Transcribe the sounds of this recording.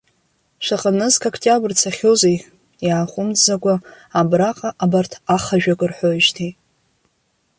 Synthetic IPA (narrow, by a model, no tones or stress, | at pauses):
ʂʷaqʼənɨzkʰokʰtʲʼabrt͡sʰaχʲozej | jaːχʷʊmzaɡʷaː | braqʼaʔabartʰaχaʒᶣakʼɨrħʷojʒtʰi